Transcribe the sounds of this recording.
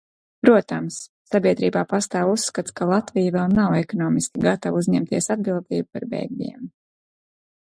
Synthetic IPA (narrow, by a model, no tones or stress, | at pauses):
pɾuɔt̪amsːabʲiɛd̪ɾiːbaːpast̪aːvusːkat̪skalˠat̪vijavɛlˠnawɛkɔnɔːmiskʲiɡat̪avuzɲɛmt̪iɛsad̪̚bilˠd̪iːbupaɾbɛ̰jɡ̚mʲḭɛm